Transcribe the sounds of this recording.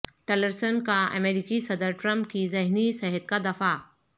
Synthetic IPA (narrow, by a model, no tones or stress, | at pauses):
ʈeləɾsənkaʔə̰meɾikisɐd̪əɾʈɾɐ̃mp̚kizɐɦnisɐɦət̪kad̪ɐfa